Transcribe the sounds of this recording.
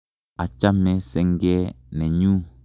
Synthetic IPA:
a˨t͡ʃa˦mɛ˦sɛ˦ŋ˦ɡɛ˦ | nɛ˨ɲu˦

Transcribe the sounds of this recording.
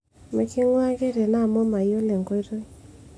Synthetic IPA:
me˨kɪ˦ŋwa˦ɡe˦ɾe˨na˦˨mɔ˦ma˨jo˦le˨ŋɡo˦ɾo˦

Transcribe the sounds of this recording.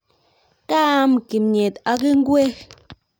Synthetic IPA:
ka˦m˨ki˨mɲe˨t̪a˧ɡi˦ŋ˦ɡwe˦x

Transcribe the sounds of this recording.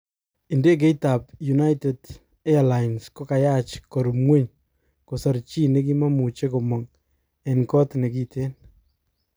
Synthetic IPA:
i˨nde˦k̬e˦jta˨pju˨na˦jte˨d | ɛ˦a˨la˨jnsko˦ka˨ja˦t͡ʃkɔ˨ɾumŋwe˦ɲ | ko˨sɔ˨ɾt͡ʃi˦ne˦k̬i˦ma˦mu˨t͡ʃe˦ko˨mɔ˨ŋ | ɛ˨nkɔ˦tne˨ki˦tʰe˦n

